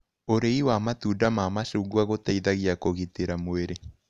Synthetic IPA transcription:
oɾeiwamatudamamaʃuɡuaɣotaiðaɣiakoɣiteɾamoeɾe

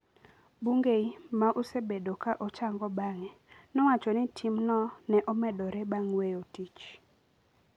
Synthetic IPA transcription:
buŋɡeimaʔusebedokaʔɔt͡ʃaŋɡɔbaŋɛ | nɔwat͡ʃɔnɪtʰimnɔnɛʔɔmɛdɔɾɛbaŋwejotit͡ʃ

